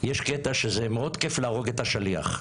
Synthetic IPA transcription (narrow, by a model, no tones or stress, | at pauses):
jeʃket̪aʃezemeo̞d̪keflaːʁo̞ɡet̪haʃalia̰χ